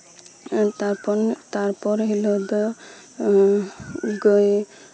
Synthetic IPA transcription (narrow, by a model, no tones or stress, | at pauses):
t̪aɾpɔnt̪aɾpɔɾɦilɔd̪ɔ | ɡoj